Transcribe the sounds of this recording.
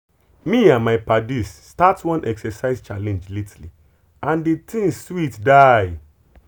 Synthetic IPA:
mĩãnmaɪpadisːtatwɔ̃nʔɛksɛsaɪzt͡ʃalɛ̃nd͡ʒletʰli | ãndetʰĩŋswitdaj

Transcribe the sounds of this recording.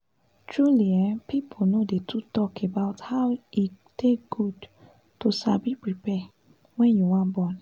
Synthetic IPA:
tɹuliɛpipʰonodetʰutɔkʰebaʊthaʊi | tekɡ̥ud | tosabipɹipɛ | wɛ̃njuwãnbɔ̃n

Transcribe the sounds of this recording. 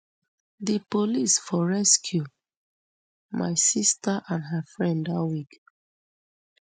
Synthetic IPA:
dipolisfɔɹɛskʰju | ma̰ɪsistaʔãnɦafɹɛ̃ndawik

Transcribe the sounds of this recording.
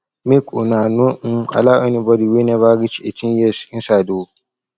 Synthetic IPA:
mekṵnanua̰laʔanibɔdiweneβaɡit͡ʃiet͡ʃinjɛsinsaduwo

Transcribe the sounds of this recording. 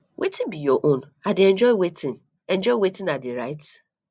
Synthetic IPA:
wʔetʰĩnbijɔʔõn | adɪɛ̃nd͡ʒɔɪwetʰĩn | ɛ̃nd͡ʒɔɪwetɪ̃nadɪɾaɪt

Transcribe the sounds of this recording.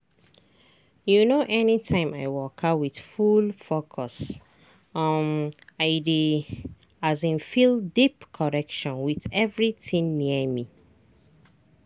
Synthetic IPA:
junoʔɛnitʰãɪ̃ma̰ɪwɔkʰawið̥fulfokʰɔs | ɔmaɪdi | azĩnfildipkʰɔɹɛkʃɔ̃nwiðɛvɹiθĩŋniəmi

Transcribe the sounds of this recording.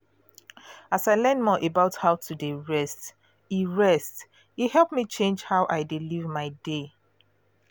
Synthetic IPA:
asaɪlɛ̃ndmɔʔebaʊthaʊtʰudeɹɛst | iɹɛst | ihɛlˠpmit͡ʃẽnd͡ʒhaʊʔaɪdelivmaɪde

